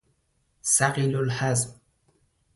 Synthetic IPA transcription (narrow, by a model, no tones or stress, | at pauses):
saɣɪlʊlħazm